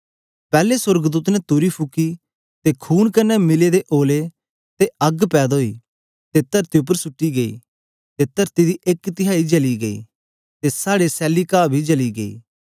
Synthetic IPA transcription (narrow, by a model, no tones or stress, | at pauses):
pɛːlesəɾɡd̪uːt̪nɛt̪ʊɾipʰʊki | t̪ekʰuːnkɐnːɛmɪled̪eʔoːle | t̪eɐɡpɛːd̪ɦoːḭ | t̪et̪ɐɾt̪iʊp̬ːəɾsʊʈːiɡɐḭ | t̪et̪ɐɾt̪id̪iʔekt̪ɪɦaːid͡ʒɐliɡɐḭː | t̪esaːɽesɛːlikaːbʱid͡ʒɐliɡɐḭː